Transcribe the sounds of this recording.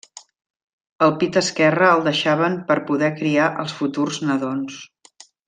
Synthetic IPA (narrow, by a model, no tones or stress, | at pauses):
əlˠpit̪əskɛrəːlˠd̪əʃaβəmpəɾpuðɛkɾiaʔəlˠsfut̪urznəðons